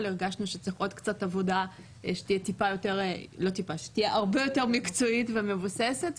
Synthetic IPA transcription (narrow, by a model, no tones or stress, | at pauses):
leʁɡaʃnuʃet͡siχʔo̞d̪kt͡satavo̞da | ʃe̥t̪ijetipajo̞te̞ʁlo̞tipaʃe̥t̪ijeʔaʁbe̞jo̞te̞ʁmikt͡soitvemevuseset